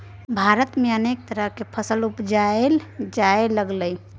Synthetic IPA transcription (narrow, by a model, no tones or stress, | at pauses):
bʱaɾət̪meənek̚t̪əɾəɦkepʰəsəlupd͡ʒaeld͡ʒaeləɡləj